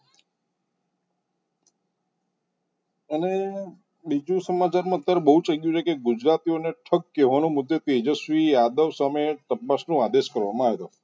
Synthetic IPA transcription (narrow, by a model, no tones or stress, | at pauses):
əne | bid͡ʒũsəmat͡ʃaɾmãt̪ːəɾbəɦut͡ʃəɡjũt͡ʃʰekeɡud͡ʒɾat̪ioneʈʰəkːeʋanõmʊd̪ʱːet̪ed͡ʒəsʋijad̪əʋsəmet̪əpːasnũad̪eʃkəɾʋamãaːʋet̪o